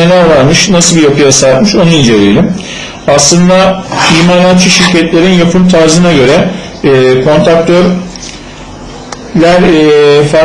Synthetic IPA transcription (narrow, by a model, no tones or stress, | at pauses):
elʲæɾvaɾmɯʃnasɯlˠbijapʰɯjasat̪mɯʃonind͡ʒe̞ɾijlʲim | aslˠɯnd̪aiːmaːɾat̪t͡ʃʰːɯʃiɾcɛt̪lʲe̞ɾinjapʰɯmt̪ʰaɾzɯnaɟø̞ɾɛː | kʰo̞nt̪ɾak̚t̪ʰøɾ | lʲæɾfa